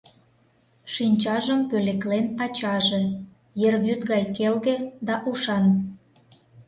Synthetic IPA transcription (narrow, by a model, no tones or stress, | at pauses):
ʃinʲt͡ɕɑʒəmpøleklenɑt͡ɕɑʒe | jerβyt̪ɣɑjkelɣed̪ɑʔuʃɑn